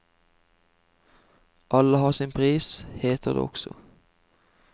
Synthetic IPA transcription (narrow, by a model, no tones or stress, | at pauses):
ʔɑləhɑːʁsɪnpʰʁiːsheːt̪ʰəʁd̪ḛːɔksɔ̰